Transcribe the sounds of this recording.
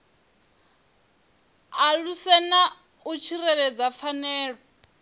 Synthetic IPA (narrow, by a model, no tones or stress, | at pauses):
alusɛna | ut͡ʃʰirɛɺɛd͡zafanɛːɺɔ